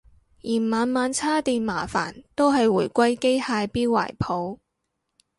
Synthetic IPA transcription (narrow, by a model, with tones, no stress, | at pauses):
jiː˨˩nmaː˨˧nmaː˨˧nt͡sʰaː˥t̪iː˨˧nmaː˨˩fa̰ː˨˩nt̪o˥wɦɐ˨jwuː˨˩jkʷɐ˥jke˥jhaː˧jpiː˥wwa̰ː˨˩jpʰo˨˥˧w